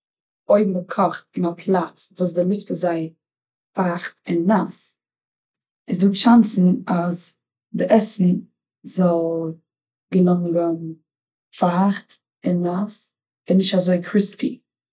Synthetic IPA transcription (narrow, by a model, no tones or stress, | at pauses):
oɪbm̩əkʰɔχt̚ɪnapʰlˠat͡svuːs̬dəlˠɪktəzaɪ | faχtɪnːas | ɪsduːʃansn̩az | dɪʔɛsn̩ | zɔlˠ | ɡəlˠɔŋɡən | faχt | ɪnːas | ɪnːɪʃtazoɪkʰɾɪspḭ